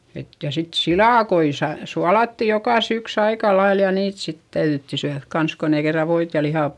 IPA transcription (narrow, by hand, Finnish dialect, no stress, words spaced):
et jɑ sit silɑˑkoi sɑ suɑlɑtːi jokɑˑ syks ɑikɑ lɑil jɑ niːt sit tæyðytːi syæðk kɑns kon ei kerːɑ ʋoit jɑ lihɑ